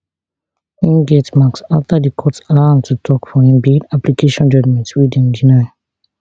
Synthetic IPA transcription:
ĩɡɛtmaksaftadikʰɔtsalãntʰutʰɔkfɔ̃ĩmbidaplikʰeʃiɔ̃nd͡ʒɔd͡ʒmɛ̃ntwidɛ̃ndĩnã

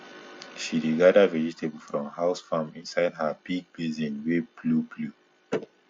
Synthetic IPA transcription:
ʃideɡadavɛd͡ʒitʰebl̩fɹɔ̃mhaʊsfamĩnsaɪdhabiɡ̚bizĩnweblublu

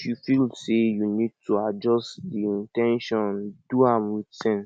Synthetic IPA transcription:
ʃifilsejunid̚tʰuad͡ʒɔstdiĩntɛ̃nʃɔ̃nd̥uãmwitsɛ̃n

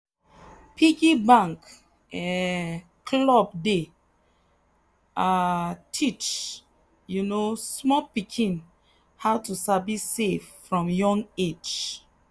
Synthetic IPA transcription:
pʰiɡibãŋk | ɛ | kʰlɔb̚de | atʰit͡ʃ | junosmɔpikʰĩn | haʊtusabiseffɹɔ̃mjɔ̃ŋɡed͡ʒ

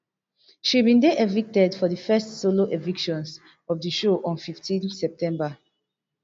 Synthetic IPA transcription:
ʃibĩndeʔevik̚tɛdfɔðəfɛstsoloʔevikʃɔ̃ns | ɔvdəʃoʔɔ̃nfiftʰĩnsɛp̚tɛ̃mba

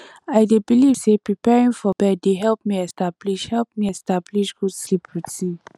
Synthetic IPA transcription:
aɪdebiliv̥sepɹipɛɹĩŋfɔbɛddeɦɛlˠp̚miɛstab̥liʃhɛlˠp̚miɛstabliʃɡudslipʰɹiti

